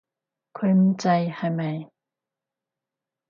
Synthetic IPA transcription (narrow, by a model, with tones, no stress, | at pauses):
kʰɐ˥˧˥m̩˦t͡sɐ˧jha˨˧˩jmɐ˨˩j